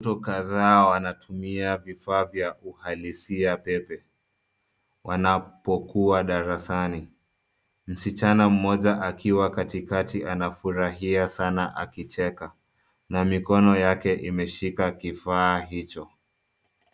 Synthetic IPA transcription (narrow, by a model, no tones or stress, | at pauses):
tɔkaðaːwanatʰumiavifaːvjaʔuhalisiapɛpɛ | wʔanapɔkuaɗaɾasani | m̩sit͡ʃanam̩mɔʄaʔakʰiwakatikatianafuɾaɦiasanaʔa̰kit͡ʃɛka | namikɔnɔjakɛʔimɛʃikakifaːɦit͡ʃɔ